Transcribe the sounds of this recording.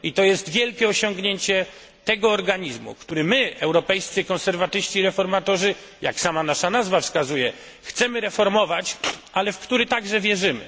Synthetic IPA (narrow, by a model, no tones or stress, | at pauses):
it̪ɔjɛst̪vʲjɛlkʲɛɔɕɔŋɡɲeɲt͡ɕɛ | t̪ɛɡɔːɾɡaɲizmṵkt̪uɾɘmɘɛwɾɔpɛjst̪sɨkɔnsɛɾvat̪ɘɕt͡ɕiɾɛfɔɾmat̪ɔʐɘ | jaksamanaʂanazvafskazujɛ | xt̪sɛmɘɾɛfɔɾmɔvat͡ɕʔalɛfkt̪uɾɘt̪aɡʐɛvʲjɛʐɘmɘ̰